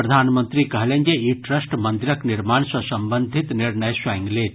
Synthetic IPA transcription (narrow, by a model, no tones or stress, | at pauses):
ɾɐd̪ʱaːnmənt̪ɾikɐɦleŋɡeiʈɾəsʈmənd̪iɾɐkniɾmaːɳsɔsɐmbənd̪ʱit̪niɾɳəjsʋaŋɡleːt̪